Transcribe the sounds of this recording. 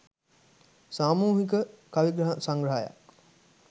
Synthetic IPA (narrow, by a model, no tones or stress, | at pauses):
saːmuːɦikəkaʋiɡɾəɦasaŋɡɾəɦaja̰k